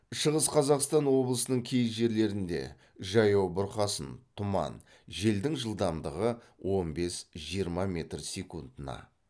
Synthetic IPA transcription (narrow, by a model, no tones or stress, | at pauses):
ʃəʁəsqʰɑzɑqst̪ɑnwo̞blˠəsənəɴkʲʰe̞jʒe̞ɾle̞ɾɪnd̪e̞̰ | ʒɑjɑwbʊɾqɑsənt̪ʰʊmɑ̰n | ʒe̞ld̪ɪŋʒəlˠd̪ɑmd̪əʁə | wʔo̞nbe̞sʒ̥ijəɾmɑmʲe̞t̪rsʲekund̪ənɑ̰